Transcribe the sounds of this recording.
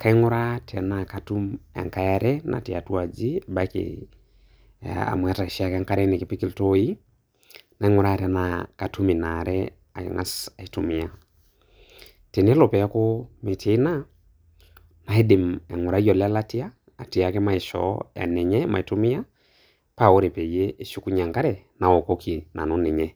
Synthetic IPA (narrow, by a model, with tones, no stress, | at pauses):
ka˦i˦ŋʊ˦ɾa˦ta˨na˨ka˨tu˦mɛ̰˨ŋka˦ja˦ɾɛnʔa̰˨ti˨a˨twa˨d͡ʒi˦ba˦kɪ̰ | a̰˨mwɛ˨ta˨i˨ʃi˦a˦kɛ˦ŋka˦ɾɛ˦ni˨ki˨pi˦ki˦ltoi˦ | na˨i˦ŋʊ˦ɾa˦˨tɛ˨na˨ka˨tu˦mi˨na˨ɾɛ˦ | a̰˨ŋa˦sa˨i˨tu˨mi˨a˦ | te˨n˦lo˨pɛ˨a˦ko˦me˨tʰi˦na˦ | na˨e˦di˨mɛ˨ŋu˨ɾa˦jɔ˨la˦la˦ti˦aː˦˨ | ti˨a˨kɛ˦ma˦i˨ʃɔ̰˨a̰˨nɛ˨ɲɛ˦ma̰˨i˨tu˦mi˦a˦ | pa˦˨o˦ɾe˨pɛ˨je˦ʔːʃu˦ku˦ɲa˨ŋka˦ɾɛ˨na˨o˨ko˦kʰi˨na̰˨no˨˦nɛ˨ɲɛ˦